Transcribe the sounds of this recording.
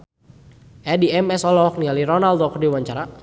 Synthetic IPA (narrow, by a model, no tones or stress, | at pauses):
ɛdiɛmɛsɔlɔɔk̚nialiɾɔnald̪okərdiwaɲt͡ʃaɾa